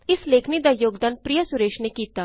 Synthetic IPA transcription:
ɪsleːkʰnid̪aːjoːɡd̪aːnpɾijasʊɾeːʃnekiːt̪aː

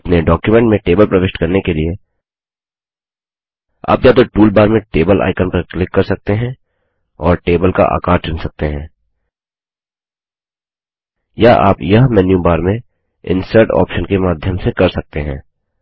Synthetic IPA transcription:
pneɖɔːkjumɛ̃ɳʈmẽʈeːbəlpɾɐʋɪʃʈkɐɾnekelie | a̰ːpjat̪oʈuːlbaːɾmẽʈeːbəlʔa̰ːɪkənpɐɾklɪkːɐɾsɐk̚t̪eɦɛ̃ | ɔːɾʈeːbəlka̰ʔa̰ːkaːɾt͡ʃʊ̃nsɐk̚t̪eɦɛ̃ː | jaʔa̰ːpjɐɦmɛːnjũbaːɾmẽ | ɪ̰̃nsəɾʈɔ̰ːpʃənkemaːd̪ʱjəmsekɐɾsɐk̚t̪eɦɛ̰̃ː

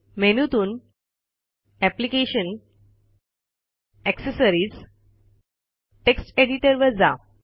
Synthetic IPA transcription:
menut̪uːn | æplikeɕən | ɛksesəɾiːd͡z | ʈeksʈeɽiʈəɾʋəɾd͡za

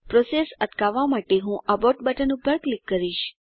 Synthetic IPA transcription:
pɾosesət̪kaʋːamaʈeɦũʔaboʈbəʈʰənubʱəɾklikːəɾiʃ

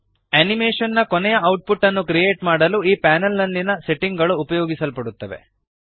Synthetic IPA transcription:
ɐnimeːʂɐnːɐkonɛjɐɐwʈ̚puʈːɐnːukɾijeːʈmaːɽɐluiːpaːnɐlnɐlːinɐseʈːiŋɡɐɭuːpɐjoːɡisɐlpɐɽut̪ːɐʋe̞̰

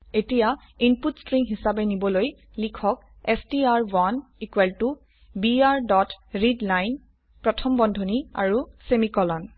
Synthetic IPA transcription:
etija | inputstɹiŋɦisabɛnibɔloj | likʰɔk | ɛstiaɹwanikwɛltu | biaɹdɔtɹidlajn | pɹɔtʰɔmbɔndʱonia̰ɹusemikɔlɔn

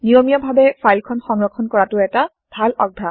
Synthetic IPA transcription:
nijomijɔbʱabɛpʰajlkʰɔnxɔŋɹɔkʰːɔnkɔɹatʊɛta | b̥ʱalɔ̰ɡ̚bʱa

